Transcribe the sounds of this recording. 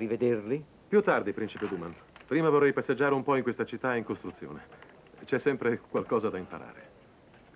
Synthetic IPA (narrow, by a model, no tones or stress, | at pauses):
rived̪erli | pjut̪ːard̪ipɾint͡ʃiped̪uːman | pɾiːmavorːɛjpasːed͡ʒːaːɾeumpɔiŋkwest̪at͡ʃit̪ːaeiŋkost̪ɾut̪sːjo̰ːne | t͡ʃɛsːɛmpɾekwalkɔːzad̪aimpa̰ɾa̰ːɾḛ